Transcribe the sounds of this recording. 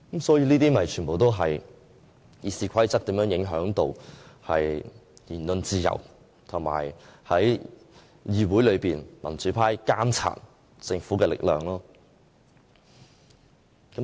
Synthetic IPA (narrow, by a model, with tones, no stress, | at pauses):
kɐ˨˥msɔː˨˥jiː˧niː˥t̪iː˥mɐ˨jt͡ʃʰyː˨˩npo˨˩wt̪o˥wɦɐ˨j | jiː˧siː˧kʰɐ˥jt͡sɐ˥k̚t̪iː˨˧˥mjœː˧˥ŋjɪ˨˥ŋɦœː˨˥ŋt̪o˧whɐ̰˨jjiː˨˩nlɵ˧nt͡siː˧jɐ̰˨˩w | t̪ʰʊ˨˩ŋma̰ː˨˩jhɐ˨˥j | jiː˧wuː˨˥jlɵ˨˧ɥpiː˨nmɐ˨˩nt͡syː˨˥pʰaː˥jkaː˥mt͡sʰa̰ː˧˩t̚ | sɪ˧ŋfu˨˥kɛː˧lɪ̰˨k̚lœ̰ː˨ŋlɔː˥ | kɐ˨˥